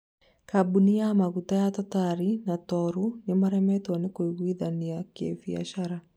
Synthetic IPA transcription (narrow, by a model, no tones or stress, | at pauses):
kabuniamaɣutajatɔtaɾinatɔɾunemaɾɛmɛtwanekoiɣwiðaniakḛfia̰ʃaɾa